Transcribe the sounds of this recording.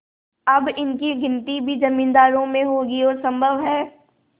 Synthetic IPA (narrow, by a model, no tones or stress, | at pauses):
ɐbɪnkiɡʱɪ̃nʈ̪ibʱid͡ʒɐmĩːnd̪aːɾõmẽɦoɡiɔːɾsɐ̃mbʱəʋɦɛː